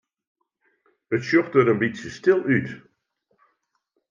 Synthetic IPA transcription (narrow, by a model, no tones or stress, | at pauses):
ətʃɔχtəɾənbisəstɪlˠyt